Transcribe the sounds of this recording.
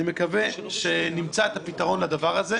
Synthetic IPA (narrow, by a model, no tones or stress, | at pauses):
imekave̞ʃenimt͡saet̪hapit̪aʁo̞nlad̪avaʁaze̞